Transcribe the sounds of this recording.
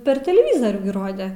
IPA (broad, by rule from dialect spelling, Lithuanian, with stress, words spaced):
pʲɛr tʲɛlʲɛˈʋʲiːzoːrʲuː ɡʲɪ ˈroːdʲɛ